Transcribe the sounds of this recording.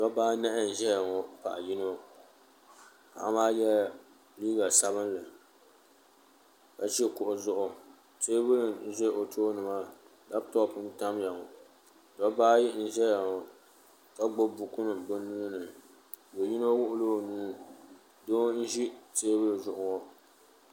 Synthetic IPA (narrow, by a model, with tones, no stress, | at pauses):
dɔ˦baː˦nɛ˦ʔɪ˦n̩˨ʒɛ˦ja˨ŋɔ˨pa̰˨ʔji˦no˦ | ka̰˨ʔmaː˦jɛ˦ | liː˦ɡa˨sa˦bɨ˦n˦lɨ˨ | ka˦t͡ʃɛ˦kʊ˨ʔʊ˨zʊ˦ʔʊ˨ | teː˦bɨ˦lɨ˨n̩˦ʒe˦ʔo˨tʰoː˦nɨ˨ma˦ | da˦btɔ˦pɨ˦nta˦mja˨ŋɔ˨ | dɔ˦baː˦ji˦n̩˦ʒɛ˦ja˨ŋɔ˨ | ka˦ɡ͡bo˦bʊ˨kʊ˦nɨ˨bo˦nu˦nɨ˨ | bo˨ji˦no˦wʊ˦ʔʊ˦lo˦˨nuː˦ | do˦n̩˦ʒi˦te˦bɨ˦lɨ˨zʊ˨ʔʊ˨ŋɔ˨